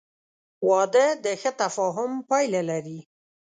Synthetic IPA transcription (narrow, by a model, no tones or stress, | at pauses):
wɑd̪əd̪əxət̪afɑɦʊmpɑjlalaɾi